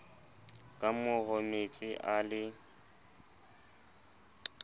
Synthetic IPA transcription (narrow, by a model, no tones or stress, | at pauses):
kʼamʊɣɔmet͡sʼɪʔalɪ